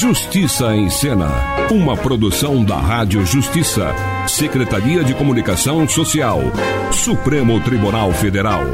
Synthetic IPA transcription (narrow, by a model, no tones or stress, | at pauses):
ʒust͡ʃisɐẽj̃sẽnɐ̰ũmɐpɾod̪usɐ̃w̃d̪ɐ̰ɦad͡ʒjʊʒust͡ʃisɐ̰ | sekɾet̪aɾiɐd͡ʒɪkomunikasɐ̃w̃sosiaw | supɾẽmʊt̪ɾibunawfed̪eɾaw